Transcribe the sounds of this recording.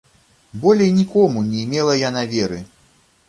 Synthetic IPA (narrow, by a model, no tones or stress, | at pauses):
bɔlʲɛjnʲikɔmunʲɛjmʲɛlˠɐjanavʲɛɾɨ